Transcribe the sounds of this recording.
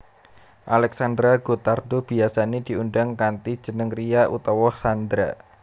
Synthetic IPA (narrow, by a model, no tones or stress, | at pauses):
ʔalɛk̚sand̪ɾaɡ̥ot̪ardob̥i̤asaned̥̪i̤unɖaŋkant̪i̥d͡ʒ̥ənəŋriaʔṵt̪ɔwɔsand̪ɾa